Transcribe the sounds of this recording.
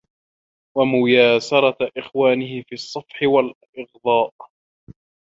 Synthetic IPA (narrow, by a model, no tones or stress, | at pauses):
wamʊjaːsɑɾˤɑʔɪxwaːnɪɦɪfiːɑsˤːɑfħɪwal | ʔɪɣd̪ˤɑːʔ